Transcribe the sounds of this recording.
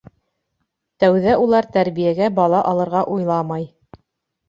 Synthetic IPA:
t̪æwðæʔulˠɑɾt̪æɾβijæɡæbɑlˠɑʔɑlˠɤ̆ɾʁɑʔujlˠɑmɑj

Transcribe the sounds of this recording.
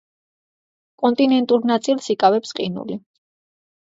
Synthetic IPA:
kʼɔnt̪ʼinɛnt̪ʼuɾnat̪sʼilsikʼavɛpsqʼinṵli

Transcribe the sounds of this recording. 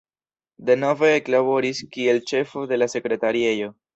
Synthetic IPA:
de̞no̞ve̞ːklaβo̞ɾiskie̞lt͡ʃe̞fo̞de̞lase̞kɾe̞taɾie̞jo̞

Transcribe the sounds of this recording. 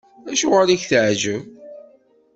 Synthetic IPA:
æʃuʁəliçθəʕʒəv

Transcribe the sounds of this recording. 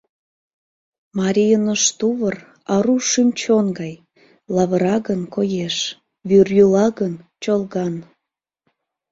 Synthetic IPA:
mɑɾʲijənəʃt̪uβər | ɑɾuʃymʲt͡ɕonɡɑj | lɑβəɾɑɣənkojeʃ | βyrjulɑɣənt͡ɕolˠɣɑn

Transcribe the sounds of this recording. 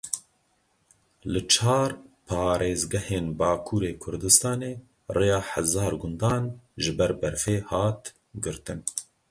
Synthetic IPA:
lɨt͡ʃʰɑːɾpʰɑːɾeːzɡɛheːnbɑːkʰuːɾeːkʰʊɾd̪ɨst̪ɑːneː | rʔejɑːħazɑːɾɡʊnd̪ɑːnʒɪbɛɾbɛɾfeːhɑːt̪ | ɡɨɾt̪ɨn

